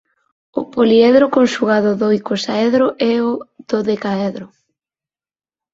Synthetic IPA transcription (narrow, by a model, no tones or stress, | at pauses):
ʊ̰poliɛðɾʊkonʃuɣaðʊðojkosaɛðɾʊʔɛʊð̥oðekaɛðɾʊ